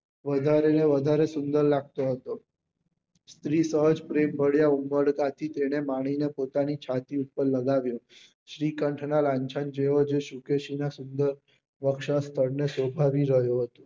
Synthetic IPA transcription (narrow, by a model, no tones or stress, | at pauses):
ʋəd̪ʱaɾeneʋəd̪ʱaɾesʊnd̪əɾlaɡ̚t̪oɦət̪o | st̪ɾisəɦəd͡ʒpɾembʱəɽjaumbəɽkat̪ʰit̪eɽ̃emaɽ̃inepot̪anit͡ʃʰat̪iupːəɾləɡaʋjo | ʃɾikəɳʈʰnalãɲt͡ʃʰand͡ʒeod͡ʒeʃukeʃinasʊnd̪əɾ | ʋəkʃast̪ʰəɾnesobʱaʋiɾəɦjoɦət̪o